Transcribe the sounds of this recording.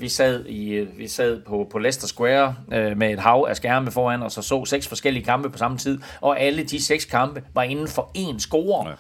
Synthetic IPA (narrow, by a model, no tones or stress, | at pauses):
ʋisɛð̰ˠiʋisɛð̰ˠpʰɒ̽pʰɒ̽lesd̥ɐsɡ̥weɐmee̝d̥ɦɑ̈ʊæsɡ̥æɐməfɒːæn̰ɒ̽sɒ̽sɔ̰ːseɡ̥sfɒ̽sɡ̥el̰iəkʰɑ̈mb̥əpʰɒ̽sɑ̈mət͡sʰið̰ˠʔɒ̽ʔæləd̥iseɡ̥skʰɑ̈mb̥əʋɑ̈e̝nn̩fɒ̽e̝ːnsɡ̥o̝ːɐ